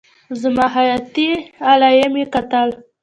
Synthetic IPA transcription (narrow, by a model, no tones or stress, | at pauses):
zəmɑɦajat̪ialajemjekat̪al